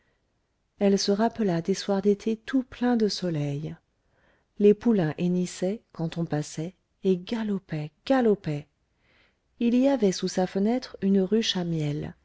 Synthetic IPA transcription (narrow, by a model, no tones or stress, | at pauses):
ɛlsəʁapəlad̪eswaʁd̪et̪ʰet̪uplɛ̃d̪əsɔlɛj | lepulɛ̃ʔenisɛkɑ̃t̪ɔ̃pasɛ | eɡalɔpɛɡ̥alɔpɛ | iliavɛsusafənɛt̪χynʁyʃamjɛl